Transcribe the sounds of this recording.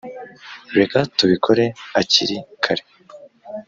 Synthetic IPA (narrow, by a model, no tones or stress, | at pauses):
ɾekatuβikʰo̞ɾe̞aciɾikʰaɾe̥